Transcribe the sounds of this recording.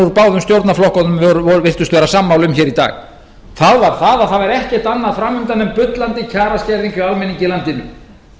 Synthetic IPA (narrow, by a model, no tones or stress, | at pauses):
uɾpaːwðʏmst̪jowt̪naflɔhkɔnʏmvɾvɔɾvɪr̥t̪ʏst̪vɛːɾasaːmːawlʏmçɛːɾit̪a̰ːɣ | θaðvaɾ̥θaðaðθaðvɛɾɛhcɛht̪anːaðfɾamːʏmt̪anːɛmpʏt̪lant̪ɪcʰaːɾascɛɾðiŋkɪalmɛniɲcɪlant̪ɪnːʏ